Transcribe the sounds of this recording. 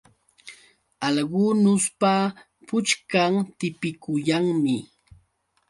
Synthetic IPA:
ɑʎɢʊnʊspa | pʊt͡ʃkaŋt̪ɪpɪkʊjaŋmɪ

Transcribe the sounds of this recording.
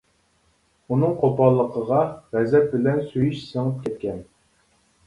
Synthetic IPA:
unɨŋqʰopɑlˠːəqʰəʁɑʁɛzɛp̪̚bɪlɛnsyjyʃsəŋəp̚kʲʰɛt̪̚kʲɛn

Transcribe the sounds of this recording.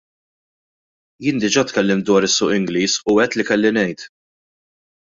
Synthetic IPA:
jɪːnd̪ɪd͡ʒɐːt̪kɛlːɪmt̪̚d̪wɐːɾɪsːʊːʔɪŋɡliːsʊɛt̪ːlikɛlːinɛjt̪

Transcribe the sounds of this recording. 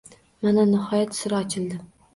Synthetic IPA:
mananɪhɒjat̪sɪɾaɒt͡ʃʰɪld̪ɪ

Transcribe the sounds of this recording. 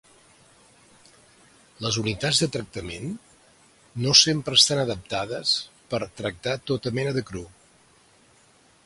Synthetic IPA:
ləzunit̪ad͡zðət̪ɾək̚t̪əmenː | osempɾəːst̪anəðəp̚t̪aðəspəɾt̪ɾək̚t̪at̪ot̪əmɛnəðəkɾu

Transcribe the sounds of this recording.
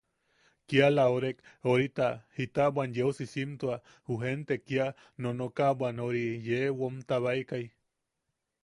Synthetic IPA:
kialaoɾekoɾit̪ahit̪abanjewsisimt̪ua | huɦent̪ekia | nonokabʷanoɾijewomt̪aβaikaj

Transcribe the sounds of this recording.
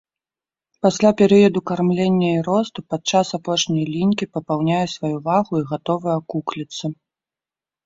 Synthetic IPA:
pasʲlʲapʲɛɾɨjɐd̪ukarmlʲenʲːɐiɾɔst̪upat̪̚t͡ʂasapɔʂnʲɐjlʲinʲkʲipɐpawnʲajɛsvajuvaɣuiɣat̪ɔvɨjɐkuklʲit̪sːɐ

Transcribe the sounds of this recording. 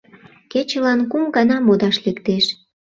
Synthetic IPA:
ket͡ɕə̆lɑnkumɡɑnɑmod̪ɑʃlekt̪eʃ

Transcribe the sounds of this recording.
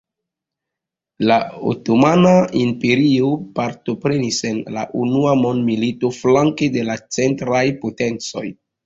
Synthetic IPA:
lao̰tomanaimpe̞ɾio̞paɾto̞pɾe̞nise̞nla̰ʔunuamo̞ndmilito̞flaŋke̞de̞lat͡se̞ntɾajpo̞te̞nt͡so̞̰j

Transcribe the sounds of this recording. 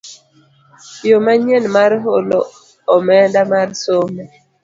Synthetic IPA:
jomaɲenmaɾɦoloː | mɛndamarsomɛ

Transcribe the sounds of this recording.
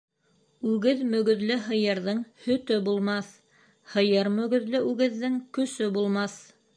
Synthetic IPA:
ʉɡɘðmɵ̆ɡɵ̆ðlɘɦɤ̆jɤ̆ɾðɤɴhɵ̆t̪ɵbulˠmɑθ | hɤ̆jɤɾmɵ̆ɡɵ̆ðlɘʔʉɡɘ̆ðːɘŋkɵ̆sɵbulˠmɑθ

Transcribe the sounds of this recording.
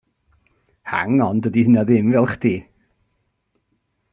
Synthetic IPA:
ha̰ŋɔndədihənaðɪmvɛlˠχd̥iː

